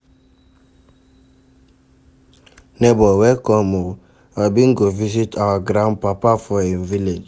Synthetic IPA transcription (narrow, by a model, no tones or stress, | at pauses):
nɛbɔwɛkɔmo | abiŋɡovisitʰawaɡɾãnpapafɔenviled͡ʒ